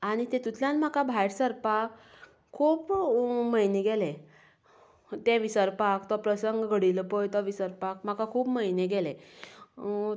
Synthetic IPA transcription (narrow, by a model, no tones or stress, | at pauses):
aɽ̃it̪et̪ut̪ʰljãnmakabʱajɽsəɾpak | kʰːuːpməjneɡɛle | t̪eʋisəɾpakt̪ɔpɾəsəŋɡɡəɽiləpɔjt̪ɔʋisəɾpak̚m̤akakʰuːpməjneɡɛle